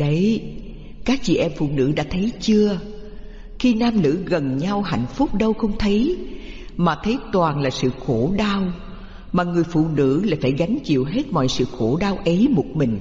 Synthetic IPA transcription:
ɗə˨˦j | kaː˦˥k̚t͡ɕḭ˧˨ʔɛ˧mfṵ˧˨nɨ̰˧˥ɗa̰ː˧˥t̪ʰə˨˦jt͡ɕɨ˧ə | xi˧naː˧mnɨ̰˧˥ɣə˨˩nɲa˧wɦa̰˧˨jŋ̟fʊ˦˥k͡p̚ɗə˧wxə˧wŋ͡mt̪ʰə˨˦j | maː˨˩t̪ʰə˨˦jt̪waː˨˩nlaː˨˩sɨ̰˧˨xo˧˩ɗaː˧w | maː˨˩ŋɨ˨˩əjfṵ˧˨nɨ̰˧˥laː˧˩jfaː˧˩jɣa˨˦jŋ̟t͡ɕḭ˧˨əwɦe˦˥t̚mɔ̰˧˨jsɨ̰˧˨xo˧˩ɗaː˧wʔə˨˦jmo˨˩t̚mï˨˩ŋ̟

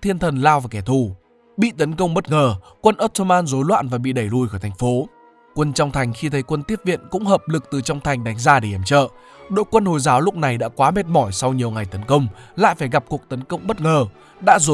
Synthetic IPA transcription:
t̪ʰi˧ənt̪ʰə˨˩nlaː˧wvaː˨˩kɛ˧˩t̪ʰu˨˩ | ɓḭ˧˨t̪ə˨˦nkə˧wŋ͡mɓə˦˥t̚ŋəː˨˩kwə˧nʔo˦˥t̚t̪ʰo˧maː˧nzo˨˦jlwa̰ː˧˨nvaː˨˩ɓḭ˧˨ɗə˧˩jlu˧˩jxɔː˧˩t̪ʰjŋ̟fo˨˦ | kwə˧nt͡ɕɔ˧wŋ͡mt̪ʰa˨˩jŋ̟xi˧t̪ʰə˨˦jkwə˧nt̪i˦˥əp̚vḭ˧˨ənkʊ̰˧˥ŋ͡mhəː˨˩p̚lɨ˨˩k̚t̪ɨ˨˩t͡ɕɔ˧wŋ͡mt̪ʰa˨˩jŋ̟ɗa˨˦jŋ̟zaː˧ɗe˧˩ʔɛ˨˧˩mt͡ɕə̰ː˧˨ | ɗo̰˧˨jkwə˧nho˨˩jzaː˨˦wlʊ˦˥k͡p̚na˨˩jɗa̰ː˧˥kwaː˨˦me˨˧˩t̚mɔ˧˩jsa˧wɲi˨˩əwŋa˨˩jt̪ə˨˦nkə˧wŋ͡mla̰ː˧˨jfaː˧˩jɣa˨˩p̚ku˨˩ək̚t̪ə˨˦nkə˧wŋ͡mɓə˦˥t̚ŋəː˨˩ | ɗa̰ː˧˥zo˨˦

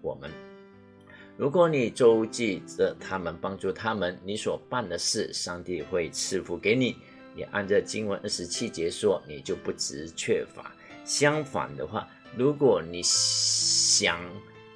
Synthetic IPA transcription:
wɔ̰˨˩mə˦n | ɻu˧˥k̬wɔ˧˥˦ni˨˩ʈ͡ʂo˥ʊt͡ɕi˥˩ʈ͡ʂə˨˩t̪ʰa˥mə˨npɑ˥ŋʈ͡ʂu˥˩t̪ʰa˥mə˨˦nni˧˥swɔ˨˩pa˥˩nd̪ə˨ʂɻ̩˥˩ʂɑ˥˧ŋt̪i˥˧xwe˥˩ɪt͡sʰɻ̩˥˩fu˧˥ke˧˥ɪni˨˩˦ | jɛ̰˨˩ʔa̰˥˩nʈ͡ʂə˨t͡ɕi˥ŋwə˧˦˥nʔə˥˩ʂɻ̩˧˥t͡ɕʰi˥t͡ɕjɛ˧˥ʂwɔ˥ni˨˩t͡ɕjo˥˧ʊpu˥˩ʈ͡ʂɻ̩˧˥t͡ɕʰɥɛ˥˩fa̰˧˥˦ | ɕjɑ˥ŋfa̰˨˩nd̪ə˦xwa̰˥˩ | ɻu˧˥kwɔ˨˩ni˨˩ | ɕjɑ˨˩ŋ

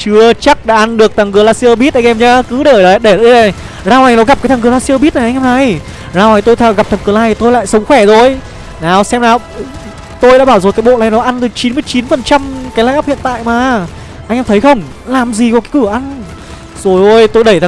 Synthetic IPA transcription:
t͡ɕɨ˧ət͡ɕa˦˥k̚ɗa̰ː˧ʔa˧nɗɨ˨˩ək̚t̪aː˨˩ŋkɨ˨˧˦laː˧si˧ə˧ɓi˦˥t̚ʔa˧ŋ̟ʔɛ˧mɲaː˨˦kɨ˨˦ɗəː˧˩jɗə˨˦ɗe˧˩ɗ | zaː˧wha˨˩jnɔ˨˦ɣa˨˩p̚aː˨˦jt̪aː˨ŋkɨ˨˩˦laː˧si˧ə˧ɓi˦˥t̚ʔa˨˩ʔa˧ŋ̟hɛ˧mna˨˧˩j | zaː˧wha˧˩jt̪o˧jt̪ʰa˧˩ɣa˨˩p̚t̪ʰa˨˩ŋkɨ˨˩˦laː˧˩jt̪o˧jla̰ː˧˨jsə˨˦wŋ͡mxwɛ˧˩zo˧˩j | naː˨˩wsɛ˧mlaː˨˩˨ | t̪o˧jɗa̰ː˧˥ɓaː˧˩wzo˨˩jkaː˨˦jɓo̰˧˨laː˨˩jnɔ˨˦ʔa˧nt̪ɨ˨˦t͡ɕi˨˦mɨ˧əjt͡ɕi˨˦nfə˨˩nt͡ɕa˧mkaː˨˦jlaː˧˩ʔaː˦˥p̚hḭ˧ənt̪a̰ː˧˨jmaː˨˩ | ʔa˧jŋʔɛ˧mt̪ʰjxə˧wŋ͡m | laː˨˩mzi˨˩kkaː˨˦jkɨ˧˩əʔa˧n | zo˨˩jʔo˧jt̪o˧jɗə˧˩jt̪a˨

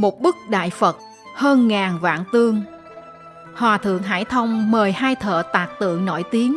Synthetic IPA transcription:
mo˨˩t̚ɓɨ˦˥k̚ɗa̰ː˧˨jfə˨˩t̚ | həː˧nŋaː˨˩nva̰ː˧˨nt̪ɨ˧əŋ | hwaː˨˩t̪ʰɨ̰˧˨əŋɦa̰ː˧˥˩jt̪ʰə˧wŋ͡mməː˨˩jhaː˧jt̪ʰə̰ː˧˨t̪aː˨˩t̚t̪ɨ̰˧˨əŋno̰˧˩jt̪i˨˦əŋ

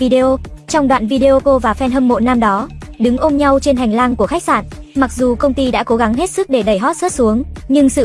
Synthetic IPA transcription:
vi˧ɗe˧ʔo˧t͡ɕɔ˧wŋ͡mɗwa̰ː˧˨nvi˧ɗe˧ʔo˧ko˧vaː˨˩fɛ˧nɦə˧mːo̰˧˨naː˧mɗɔ˨˦ɗɨ˨˦ŋʔo˧mɲa˧wt͡ɕe˧nɦŋlaː˧ŋku˧˩əxa˦˥jk̚saː˧˩nma˨˩k̚zu˨˩kə˧wŋ͡mt̪i˧ɗa̰ː˧˥ko˨˦ɣa˨˦ŋɦe˦˥t̚sɨ˦˥k̚ɗe˧˩ɗə˧˩jɦɔ˦˥t̚sə˦˥t̚su˨˦əŋɲɨ˧ŋsɨ̰˧˨

